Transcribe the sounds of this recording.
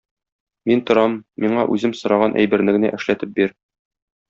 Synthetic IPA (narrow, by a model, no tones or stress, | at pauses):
mint̪ŏɾɑmːiɴɑʔʉzɘmsŏɾɑʁɑnʔæ̰jbɘ̆ɾnɘ̆ɡnæ̰ʔɘ̆ʃlæt̪ɘp̚biɾ